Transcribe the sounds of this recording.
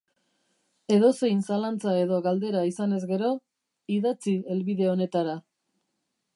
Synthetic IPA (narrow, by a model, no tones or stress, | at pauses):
e̞ðo̞se̞jnsalant͡sae̞ðo̞ɣald̪e̞ɾaisane̞zɡe̞ɾo̞ | iðat͡sie̞lβiðe̞o̞ne̞t̪aɾa